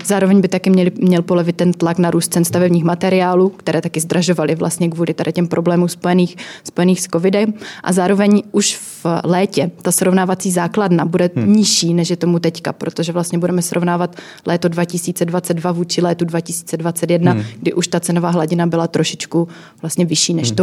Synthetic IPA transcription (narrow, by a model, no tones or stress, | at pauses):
zaːɾo̞vɛɲbɪt̪akɪmɲɛlɪmɲɛlpo̞lovɪt̪ːɛnt̪laknaɾuːst̪̚t͡sɛnst̪avɛbɲiːxmat̪ɛɾɪaːluːkt̪ɛɾɛːt̪akɪzd̪ɾaʒo̞valɪvla̰st̪ɲɛkvuːlɪt̪adɪcɛmpɾoblɛːmumspojɛniːxspo̞jɛniːxsko̞vɪdɛmʔa̰zaːɾo̞vɛɲʔuʃ | vlɛːcɛt̪asɾo̞vnaːvat͡siːzaːkladnabudɛɲɪʃiːnɛʃjɛt̪o̞mut̪ɛcka̰pɾo̞t̪oʒɛvlast̪ɲɛbudɛmɛsɾo̞vnaːvat̪ | lɛːt̪o̞dvacɪsiːt͡sɛdvat͡sɛd̪̚dvavuːt͡ʃɪlɛːt̪udvacɪsi̥ːt͡sɛdvat͡sɛt̪jɛdnaɡdɪʔuʃt̪at͡sɛno̞vaːɦlaɟɪnabɪlat̪ɾoʃɪt͡ʃkuvlast̪ɲɛvɪʃiːnɛʃt̪o